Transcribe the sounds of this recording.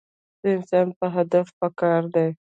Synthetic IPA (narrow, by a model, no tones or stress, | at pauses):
d̪̥əɪnsɑnpəɦad̪afpəkɑɾd̪aj